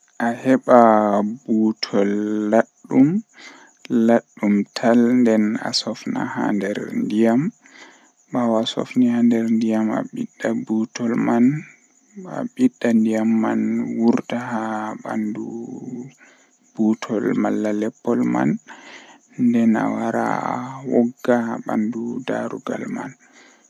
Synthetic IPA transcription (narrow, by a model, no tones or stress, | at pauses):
ʔahɛɓabutʰɔlːaɗːum | laɗːumtʰalndɛna̰sɔfna̰ha̰ndɛɾndijam | ɓawasɔ̰fnihandɛɾndijama̰ɓiɗːabutʰɔlman | a̰ɓiɗːandijamːanwuɾtahaɓa̰ndu | b̥utʰɔlmalːalɛpːɔlma̰n | ndɛna̰waɾa̰awɔɡːahaɓandudaɾuɡa̰lma̰n